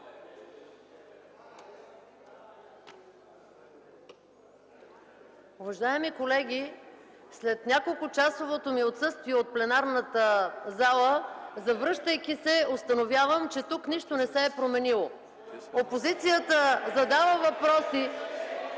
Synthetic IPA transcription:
ʊvɐʒaɛmikolɛɡʲi | slɛt̪nʲakolˠkʊt͡ʃasovot̪omiot̪sɤst̪viɛot̪̚plɛnaɾnət̪əzalˠəzɐvɾɤʃt̪əjk̟isɛost̪ɐnovʲjavəmt͡ʃɛt̪ukniʃt̪onɛsɛːpɾomɛnilˠo | opozit̪sijət̪əzɐd̪avəvɐpɾɔsi

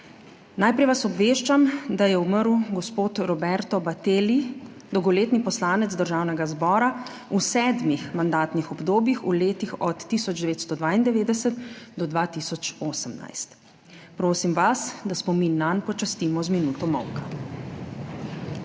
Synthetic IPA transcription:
najpɾɛjʋasɔbʋeːʃt͡ʃamd̪ajɛuməɾuɡɔspoːt̪ɾɔbɛɾt̪ɔbat̪eːli | d̪ɔwɡɔleːt̪nipɔslaːnɛd̪zd̪əɾʒaːwnɛɡazbɔːɾa | usɛːd̪mixmand̪aːt̪nixɔbd̪oːbjixuleːt̪ixɔt̪ːisɔd͡ʒd̪ɛʋeːt̪st̪ɔd̪ʋaːind̪ɛʋeːd̪ɛsət̪d̪ɔd̪ʋaːt̪isɔt͡ʃoːsəmna̰jst̪ | pɾoːsimʋasd̪aspɔminːanpɔt͡ʃast̪iːmɔzminuːt̪ɔmɔ̰wka

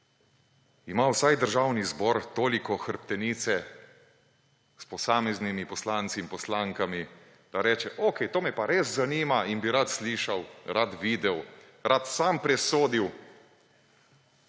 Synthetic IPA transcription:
imawsajd̪əɾʒaːwnizbɔɾt̪oːlikɔxəɾpt̪ɛniːt̪sɛ | spɔsaːmɛznimipɔslaːnt̪siːmpɔslaŋkami | d̪̥aɾɛːt͡ʃɛʔokɛjt̪oːmɛpaɾeːzzaniːmainbiɾat̪sliːʃawɾat̪ʋiːd̪ɛw | ɾat̪sampɾɛsoːd̪iw

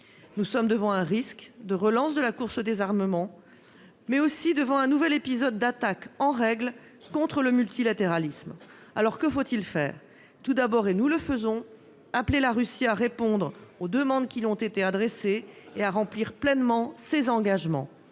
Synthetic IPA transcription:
nusɔmd̪əvɑ̃ɛ̃ʁiskd̪əʁəlɑ̃sd̪əlakuʁsəd̪ezaʁməmɑ̃ | mɛosid̪əvɑ̃ɛ̃nuvɛlepizɔd̪ːat̪akɑ̃ʁɛɡl | kːɔ̃t̪χələmylt̪ilat̪eʁalism | alɔʁkəfot̪ilfɛ̰ːʁ | t̪ud̪abɔʁenuləfəzɔ̃ | aplelaʁysiaʁepɔ̃d̪ʁod̪əmɑ̃d̪kʲilɔ̃t̪et̪ead̪ʁeseːaʁɑ̃pliʁplɛnmɑ̃sezɑ̃ɡaʒmɑ̰̃

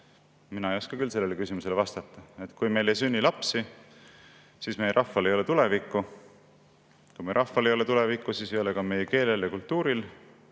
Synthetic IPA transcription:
minɑejo̞skɑkylse̞lːele̞kysimuse̞levɑst̪ɑt̪ˑːɑet̪ːˑkujme̞jlejsynʲːilɑpsi | sisme̞jeɾʔɑfːɑle̞jo̞le̞t̪ule̞vikːu | kujmeɾʔɑhfɑle̞jo̞le̞t̪ule̞vikːˑusiːsejo̞lekɑme̞jeke̞ːle̞ljɑkult̪ːuːɾil

